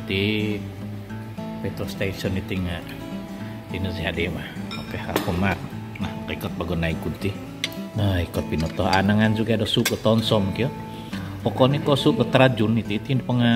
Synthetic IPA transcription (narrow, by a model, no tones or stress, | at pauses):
t̪i | pet̪ɔst̪esɔnit̪iŋaʔ | t̪inəsiɦaʔdemahokeakɔmat̪̚ | nahkikɔt̪̚baɡɔnaikunt̪ih | naikɔt̪̚pinɔt̪ɔɦa̰naŋand͡ʒuɡadɔsuʔɡət̪ɔnsɔmkiɔ | ɔkɔnikɔsuʔɡət̪əɾad͡ʒunit̪it̪inpəŋa